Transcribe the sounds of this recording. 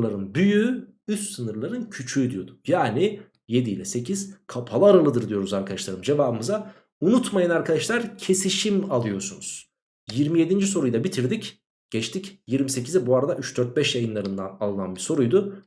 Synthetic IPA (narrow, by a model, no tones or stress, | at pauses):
lˠaɾɯnbyjy | yst̪sɯnɯɾlˠaɾɯncʰyt͡ʃʰyd̪ijo̞d̪ʊ̥jaːni | je̞d̪ilʲɛse̞cʰiz̥kʰapʰalˠaɾalˠɯd̪ɯɾd̪ijo̞ɾuzaɾkʰad̪aʃlˠaɾɯmd͡ʒe̞vaːbɯmɯza | unut̪majanaɾkʰad̪aʃlˠaɾcʰe̞siʃimalˠɯjo̞ɾsunuz̥ | jiɾmije̞d̪ind͡ʒis̬o̞ɾujd̪abit̪ʰiɾd̪ic | ɟ̥ɛt͡ʃt̪ʰicjiɾmise̞cizɛbuaɾad̪aʔyt͡ʃd̪øɾt̪̚bɛʃjajɯnlˠaɾɯnd̪analˠɯnanbiso̞ɾujd̪u